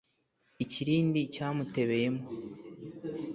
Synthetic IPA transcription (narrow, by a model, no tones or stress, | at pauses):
iciɾiːndicaːmute̞βe̞jemo